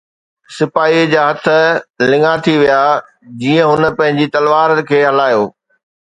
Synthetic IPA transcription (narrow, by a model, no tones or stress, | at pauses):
sɪfaːid͡ʑaːɦɐt̪ʰə̆lɪ̃ŋɡat̪ʰiʋijaː | d͡ʑiːə̃ɦʊnə̆pɐ̃ɦɪ̃ɲd͡ʑit̪ɐlʋaːɾəkʰeːɦɐlaːjoː